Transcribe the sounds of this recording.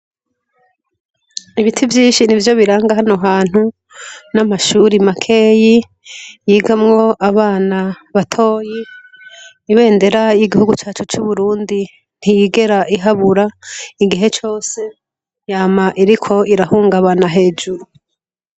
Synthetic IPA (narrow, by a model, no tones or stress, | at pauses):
iβitʰivjiːnʃinivjo̞βiɾaːŋɡaɦano̞ɦaːn̥hu | namaʃuːɾimakʰeːji | jiːɡamŋo̞ʔaβaːna | βatʰo̞ːjiː | βe̞ːnde̞ɾajiɡihuɡut͡ʃaːt͡ʃut͡ʃuβuɾuːndi | n̥hijiɡe̞ɾaʔiɦaβuɾaiɡiɦe̞t͡ʃo̞ːse̞ | jaːmaʔiɾikʰo̞iɾahuːŋɡaβanaɦe̞ːd͡ʒuɾu